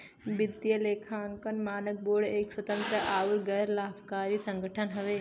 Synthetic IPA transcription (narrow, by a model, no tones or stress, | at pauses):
bɪd̪jɐleːkʰaːnkɐnmaːnək̚boːɽeːkswət̪ə̃nt̪ɾəʔaːuɾɡɐɾlaːbʰkaːɾisə̃ŋɡəʈʰənɦɐʋeː